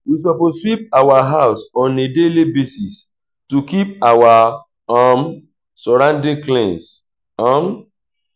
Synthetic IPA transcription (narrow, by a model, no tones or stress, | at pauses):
wis̬ɔposwip̚awaɦaʊsɔ̃nedelibesis | tukip̚awa | am | sɔɹãndĩŋklẽns | ãm